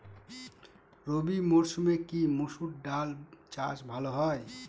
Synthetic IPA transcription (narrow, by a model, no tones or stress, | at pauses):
ɾobimoɾsmekimusuʈ̚ɖalt͡ʃa̰sbʱaloɦɔj